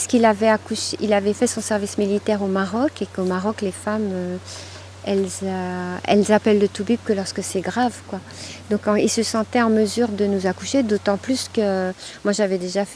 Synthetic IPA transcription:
pskilavɛakuʃʔilavɛfɛsɔ̃sɛʁvismilit̪ɛʁomaʁɔkekomaʁɔklefamø | ɛlzaɛ̰lzapɛlːət̪ubyb̚kəlɔʁskəsɛɡʁavkwa | d̪ɔ̃kɑ̃ilsəsɑ̃t̪ɛɑ̃məzyʁd̪ənuzakuʃed̪ot̪ɑ̃plyskəmwaʒavɛd̪eʒaf

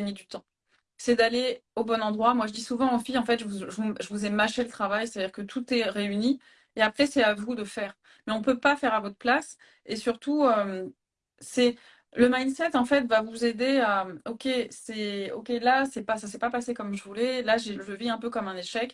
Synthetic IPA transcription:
nid̪yt̪ɑ̃ | sɛd̪aleobɔnɑ̃d̪ʁwamwaʒəd̪isuvɑ̃ɑ̃fiɑ̃fɛt̪ʒəvuʒəuʒəvuzɛmaʃelət̪χavajset̪ad̪ʲiʁkət̪ʰut̪ɛʁeyni | eapχɛsɛavud̪əfɛːʁ | mɛɔ̃pøpafɛʁavɔt̪χəplas | esyʁt̪uøm | sɛ | ləmajnsɛt̪ɑ̃fɛt̪vavuzed̪eamokʲesɛo̰kʲelasɛpasasɛpapasekɔmʒəvulɛlaʒeʒəviɛ̃pøkɔmɛ̃neʃɛk

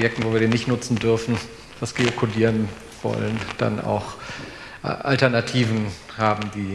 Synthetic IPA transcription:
jɛk̚tn̩voːviːɐdeːnɪçtnʊt͡sn̩dʏɐfn̩ | v̥asɡ̥eokʰodiːʁən | v̥ɔ̰lənd̥a̰na̰ʊx | ʔʔa̰ltɛɐnatʰiːvn̩ | haːbm̩diː

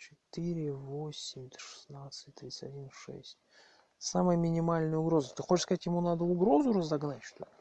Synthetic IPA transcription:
t͡ɕɪ̥t̪ɨɾʲɪvosʲɪmʲd̪ʂɨ̥snat̪sɨ̥tʲt̪ɾʲit̪sɨtʲɐdʲinʂɛ̰sʲtʲ | saməjəmʲɪnʲɪmalʲnəjəʊɡɾo̞zət̪ɨxot͡ɕʂskɐzatʲjɪmunad̪əʊɡɾo̞zʊɾəzɐɡnatʲʃt̪o

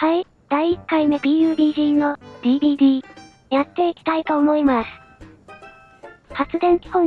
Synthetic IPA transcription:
hai | d̪̥aiikːaime̞bʲiːjɯːbʲiːʑiːno̞d̪̥ʲiːb̪iːd̪ʲiː | jat̪ːe̞ikʲi̥t̪ait̪o̞ːmo̞imasɨ̥ | hat͡sɨd̪ẽ̞ŋkʲi̥hõ

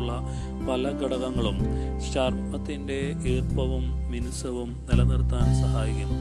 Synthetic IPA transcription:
ɭːɐ | pɐlɐɡɐɽɐɣɐŋːɐɭum | ɕɐrmɐt̪ːinde̞ | iːrpɐʋumːinusɐʋumnilɐnirt̪ːaːnsɐɦaːjikʲːumː

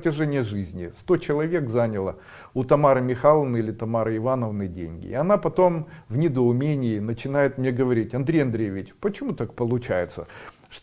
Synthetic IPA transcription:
tʲɪʐɛnʲɪjəʐɨzʲnʲɪst̪o̞t͡ɕɪlˠɐvʲe̞kzanʲɪlˠə | ʊt̪ɐmaɾəmʲɪxalˠəvnəilʲɪt̪ɐmaɾəɪvanəvnɨdʲḛnʲɡʲɪ̰ɪɐnapɐt̪o̞mvnʲɪd̪əʊmʲenʲɪːnət͡ɕɪn̪ajɪt̪mnʲeɡəvɐɾʲitʲɐnd̪ɾʲejɐnd̪ɾʲejvʲɪt͡ɕpət͡ɕɪmut̪ak̚pəlˠʊt͡ɕæjɪt̪sə̰ | ʂt̪

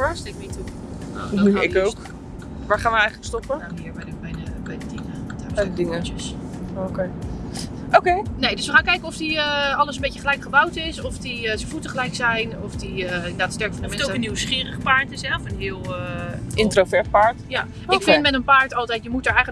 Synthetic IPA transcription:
əɹstɪk̚mitu | o̰ɪkowk | ʋaːɹχaːnʋəɛjχələkstɔpənaɦiːɹbɛjəbɛjdəbɛjdədɪŋədaɛdədɪŋəəs | okej | ʔowkejnejdɵsʋəχaːnkɛjkənɔfdiəɑləsənmbejcəχəlɛjkχəbɑwtɪsɔfdiəsəvutəχəlɛjksɛjnɔfdiəɪnədaːtstɛɹkəfɔndəmɛntoənːiwsχɪːrəχəpaːɹtɪsɛɔfənɦɪːlˠʔɪntrovɛɹt̚paːɹtja | ɪkffɪnmɛtənpaːɹtɑlˠtɛjtjəmutəɹɛjχə

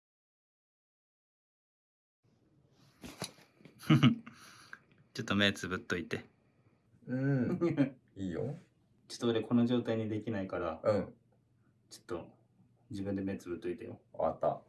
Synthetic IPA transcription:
t͡ɕot̪ːome̞ːt͡sɨbɯ̟t̪ːo̞it̪e̞ | ɯ̟̃ | iːjo̰ | t͡ɕi̥t̪oβad̪ekʰo̞no̞ʑo̞ːt̪aiɲ̟id̪e̞kʲinaikaɾaɯ̃ | t͡ɕo̥t̪ːo̞ | d͡ʑibɯ̟̃nd̪e̞me̞ːt͡sɨbɯ̟t̪ːo̞it̪ejo̰a̰t̪ːa̰

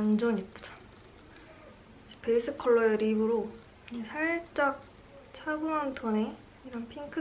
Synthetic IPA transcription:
nd͡ʑʌɲit͈da | d͡ʑepe̞is͈ʰɯkʰʌɭːʌeɾibɯɾo | esʰat͡ɕ͈ʌk̚ | t͡ɕʰaɡuŋantʰʌne | iɾʌnpʰiŋkʰɯ

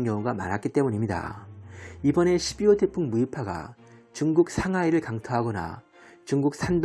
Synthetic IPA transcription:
ŋjʌŋuɡama̰ɾɦak͈it͈e̞muɲimɲida̰ | ibʌne̞ɕʰibiote̞pʰuŋmuipʰaɡa̰ | t͡ɕuŋɡuk̚sʰaŋaiɾɯɭkaŋtʰoɦaɡʌna̰ | t͡ɕuŋɡuk̚s͈ʰand

